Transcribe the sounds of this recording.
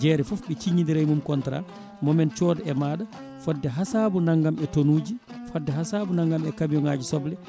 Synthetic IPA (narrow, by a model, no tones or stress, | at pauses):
d͡ʒɛɾɛfɔfɓɛt͡ʃiɲindiɾajmumkɔntɾa̰ | mɔmɛnt͡ʃɔdɛɛmaːɗa | fɔdːɛɦasaːbunaŋɡamɛtonuːd͡ʒifɔdːɛɦasabunaŋɡamɛkamijɔŋaːd͡ʒisɔblɛ